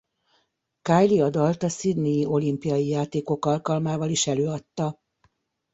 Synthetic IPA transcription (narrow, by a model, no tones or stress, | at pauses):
kaːjliɒd̪ɒlt̪ɒsid̪nijːʔo̞limpijɒjijaːt̪eːko̞kɒlkɒlmaːvɒliʃɛløːɒt̪ːɒ